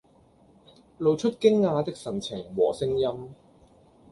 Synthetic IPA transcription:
lo˨˧wt͡ʃʰɵ˥t̚kɪ˥ŋːaː˧t̪ɪ˥k̚sɐ˨˩nt͡sʰɪ˨˩ŋwɔː˨˩sɪ˥ŋjɐ˥m

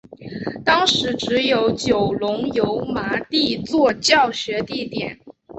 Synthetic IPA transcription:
t̪ɑ˥ŋʂɻ̩˧˥ʈ͡ʂɻ̩˧˥jo˧˥ʊt͡ɕjo˨˩ʊlʊ˧˥ŋjo˧˥ʊma˧˥t̪i˥˧t͡swɔ˥˧t͡ɕjɑ˥˩ʊɕɥɛ˧˥t̪i˥˩t̪jɛ˨˩˦n

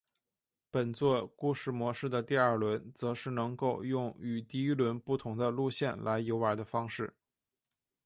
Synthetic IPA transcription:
pə˨˩nt͡swɔ˥˧ku˥˧ʂɻ̩˥˩mwɔ˧˥ʂɻ̩˥˩d̪ə˩t̪i˥˧ɐ˞˥˩lwə˧˥nt͡sɤ˧˥ʂɻ̩˥˩nɤ˧˥ŋko˥˧ʊjʊ˥˩ŋy˨˩t̪i˥˩i˥lwə˧˥npu˥˩t̪ʰʊ˧˥ŋd̪ə˧lu˥˧ɕjɛ˥˩nlʔa˧˥ɪjo˧˥ʊə˧˥d̪ə˧fɑ˥ŋʂɻ̩˥˩

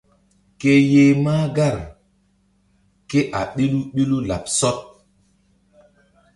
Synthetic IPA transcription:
ke˦je˦maː˦ɡa˦˨ɾ | ke˦ʔa̰˨ɗi˦lu˦ɓi˦lu˦la̰˨p̚sɔ˦t̚

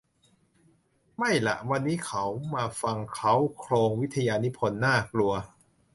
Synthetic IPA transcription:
ma˥˩jla̰˨˩ʔwa˧nːiː˦˥kʰa˦˥wmaː˧fa˧ŋkʰa˦˥wkʰloː˧ŋwi˦˥t̪ʰːa˧jaː˧ni˦˥pʰo˧nːaː˥˩klu˧ɐ

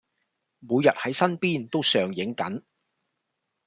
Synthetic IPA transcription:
muː˨˧jɐ˨t̚hɐ˨˥jsɐ˥npiː˥nt̪o˥wsœː˨ŋjɪ˨˥ŋkɐ̰˨˥n

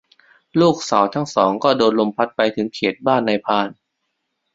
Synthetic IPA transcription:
luː˥˩k̚saː˩˦wt̪ʰaː˦˥ŋsɔː˩˦ŋkɔː˥˩doː˧nlo˧mpʰa˦˥t̪̚pa˧jt̪ʰɯ˩˦ŋkʰeː˨˩t̪̚baː˥˩nːa˧jpʰaː˧n

